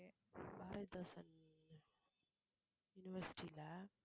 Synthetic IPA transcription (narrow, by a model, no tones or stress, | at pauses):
baːɾɐd̪ɐsɐn | juniʋɐɾsi̥ʈila